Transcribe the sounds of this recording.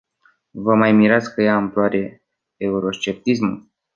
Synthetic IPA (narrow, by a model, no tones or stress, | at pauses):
vəmajmiɾat̪skəjaɨmploaɾe̞ | euɾo̞st͡ʃe̞p̚t̪ismul